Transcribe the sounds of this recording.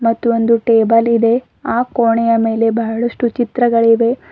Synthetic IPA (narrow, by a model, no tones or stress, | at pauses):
mɐt̪ːuond̪uʈeːbɐlid̪e̞ | aːkoːɳɛjɐme̞ːle̞bɐɦɐɭɐʂʈut͡ʃit̪ɾɐɡɐɭiʋe̞